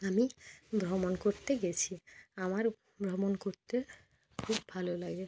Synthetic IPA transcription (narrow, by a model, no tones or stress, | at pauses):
amibʱɾɔmonkoɾt̪eɡet͡ɕʰiamaɾ | bʱɾɔmonkoɾt̪e | kʰubːʱalolaɡe